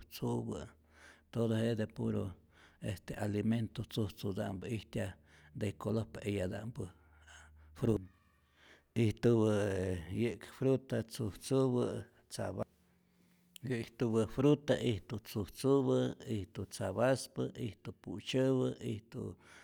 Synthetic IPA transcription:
t͡subɨ̰ | t̪od̪oɦeʔd̪epuɾo̰ | est̪ealiment̪ot͡suht͡sud̪a̰mbɨiht̪ʲjad̪ekolohpejad̪a̰ʔmbɨ | fɾu | iht̪ubɨjɨʔkfɾut̪at͡suht͡suβɨ | t͡sa̰βa | jiht̪ubɨfɾut̪aʔiht̪ut͡suht͡suβɨiht̪ut͡saβaspɨiht̪upṵt͡ʃəβɨiht̪ṵ

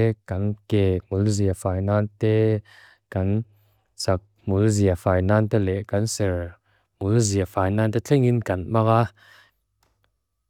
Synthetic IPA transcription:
kɐnkɛːmulziɐfajnant̪ɛ | kɐn | t͡sak̚mulziafaːjnant̪ɛlɛʔkɐnsɛr | mulziɐfaːjnant̪ɛt͡ɬʰɛŋinkɐnmaka

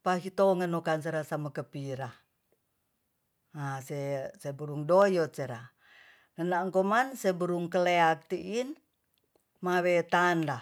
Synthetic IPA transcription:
paɦit̪oŋənokans̬ɛɾasamakəpiɾa | asesebuɾuŋdojɔt̪̚seɾa | ŋənaŋkomansebəɾuŋkəleak̚t̪iʔin | mawet̪anda

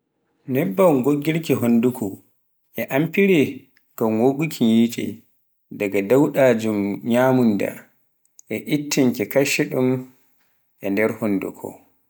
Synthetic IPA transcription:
nɛbːawɡoɡːiɾkiɦondukʰɔ | ʔɛʔampiɾɛ | kawwoɡukʰiɲjiːt͡ʃɛ̰ | daɡadawɗad͡ʒumɲaːmunda̰ | ʔɛʔitːiŋkɛkaʃɛɗum | ʔɛndɛɾhondṵkʰɔ̰

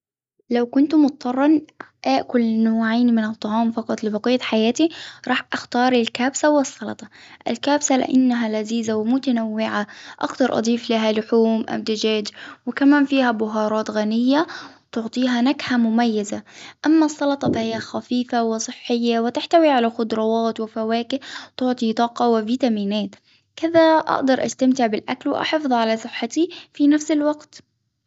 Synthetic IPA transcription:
lawkʊnt̪mʊt̪̚ˤːɑrˤːɑnʔaːʔkʊlnoːʕaːnimɪnɨt̪ˤːɑʕɑːmfɑqɑt̪ˤlɪbɑqiːt̪ħajaːt̪iɾˤɑːħʔaxt̪ɑːɾˤɪlkaːbsawɨsˤːɑlɑ̰t̪ˤɑʔɪ̰lkaːbsalɪ̰ʔa̰nːaɦalaziːzawɪmʊt̪anawːɪʕaʔa̰kt̪ɑɾˤʔɑ̰d̪ˤiːflaɦalʊħuːmʔa̰bd̪ɪd͡ʒaːd͡ʒwɪkamaːnfiːhabʊɦɑːɾˤɑːt̪ɣanɪjːawt̪ʊʕt̪ˤiːɦanaɡħamʊmajːazaʔamːasˤːɑlɑt̪ˤɑfahɪjːaxafiːfawɪsˤɨħːɪjːawɪt̪ɪħt̪awiʕalaxʊd̪ɾˤɑwɑːt̪wɪfawaːkɪt̪ʊʕt̪ˤit̪ˤɑːqɑwɪviːt̪amiːnaːt̪ | kɪðaʔa̰ʔd̪ɑɾˤʔa̰st̪amt̪ɪʕbɪlʔaklwɪ̰ʔɑ̰ħɑfðˤʕalasˤɨħːat̪ifinafsɪlwaɡt̪

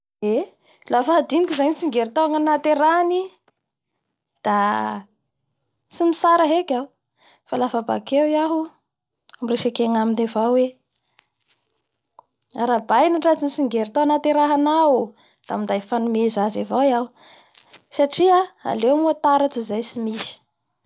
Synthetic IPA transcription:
e | lafaɦad̪inikizaɲisiŋɡeɾit̪oaŋanat̪eɾani | d̪̥a | simisaɾaɦekʲau | falafaba̰kewiaɦu | amireʃekeŋaminavawwe | aɾabajnaʈ͡ʂat͡sinsiŋɡeɾit̪oanat̪eɾaɦanawu | d̪̥amind̪ajfanumezazavawjaw | saʈ͡ʂiaa̰lewmuat̪aɾat͡suzajsimisi̥

